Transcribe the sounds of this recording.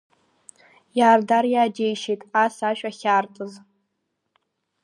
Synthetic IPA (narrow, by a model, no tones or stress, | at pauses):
jaːrdarjaːdejʃejtʼasaʃᶣʼaχʲartʼɨz